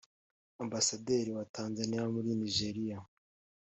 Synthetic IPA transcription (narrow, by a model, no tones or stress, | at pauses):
ambasade̞ːɾiwataːnzanijamuɾiniʒe̞ɾija